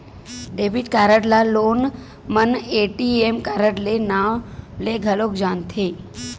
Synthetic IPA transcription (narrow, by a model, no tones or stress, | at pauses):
ɖeːbiʈkaːɾəʈlaloːn | məneːʈiemkaːɾəʈlenaleɡʱəloːkd͡ʒaːnt̪ʰe